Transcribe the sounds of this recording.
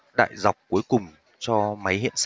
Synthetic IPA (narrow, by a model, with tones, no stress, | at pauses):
ɗa̰ː˧˨jza˨˩wk͡p̚ku˨˦əjkʊ˨˩ŋ͡m | t͡ɕɔ˧ma˨˦jɦḭ˧˨əns